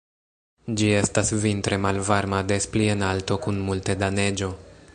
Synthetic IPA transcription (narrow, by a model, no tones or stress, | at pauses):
d͡ʒie̞stasvintɾe̞malvaɾmade̞splie̞nalto̞kunmultedane̞d͡ʒo̞